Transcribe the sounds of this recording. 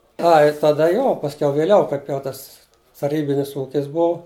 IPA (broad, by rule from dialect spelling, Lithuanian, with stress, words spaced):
ˈɐɪ tɐˈdɐ ˈjoː pɐsʲˈkʲɛʊ ʋʲɪˈlʲɛʊ ˈkɐɪp jɛʊ ˈtɐs tɐˈrʲiːbʲɪnʲɪs ˈuːkʲɪs ˈbʊʊ